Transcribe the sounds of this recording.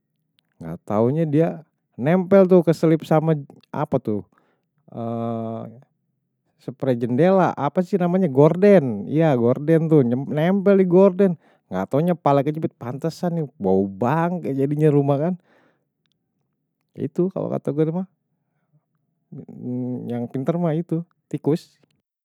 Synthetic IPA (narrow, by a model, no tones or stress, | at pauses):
ŋɡa̰ʔt̪auɲadia | nɛmpɛlt̪̬ʊkəsəlɪpsama | ʔa̰pat̪ʊ | ə | səpəɾad͡ʒəndela̰ʔapasɪhnamaɲaɡordɛnḭjaɡordɛnt̪ʊɲnɛmpɛldiɡɔrdɛn | ŋa̰t̪aɲapalakət͡ʃubɪt̪̚pant̪asanibaubaŋkd͡ʒadiɲaɾumakan | ḭt̪uka̰lo̰ka̰t̪aɡadima | jaŋpint̪ərmait̪u | t̪ikʊs